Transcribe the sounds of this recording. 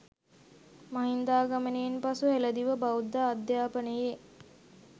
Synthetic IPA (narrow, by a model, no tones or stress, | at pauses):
maɦind̪aːɡamənejenpasuɦeləd̪iʋəbaud̪ːaːd̪jaːpənəje